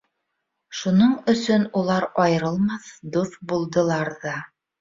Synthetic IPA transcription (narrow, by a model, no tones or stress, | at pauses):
ʃunoɴɵ̆sɵnulˠɑɾɒjɤ̆ɾɤ̆lˠmɑθd̪uθbulˠd̪ɤ̆lˠɑɾðɑ